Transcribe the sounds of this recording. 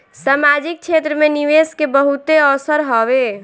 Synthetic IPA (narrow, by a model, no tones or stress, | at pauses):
samad͡ʒik̚t͡ʃʰet̪ɾəmeniʋeskebəɦut̪eɔsəɾɦɔβe